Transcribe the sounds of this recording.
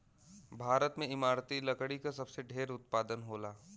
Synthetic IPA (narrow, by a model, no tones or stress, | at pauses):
bʱaːɾət̪mẽɪmaːɾt̪ilɐkɽikasɐbseɖʱeːɾʊt̪̚paːd̪ənɦoːlaː